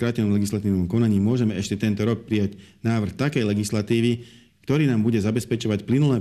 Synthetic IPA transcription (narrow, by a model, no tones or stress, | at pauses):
kɾaːcɛnɔmlɛɡislat̪iːʊnɔmkɔnaɲiːmʊɔʒɛmɛɛʃcɛt̪ɛnt̪ɔɾɔk̚pɾijaɟnaːʋr̩xt̪akɛjlɛɡislat̪iːʋi | kt̪ɔɾiːnaːmbuɟɛzabɛspɛt͡ʃɔʋacplinulɛː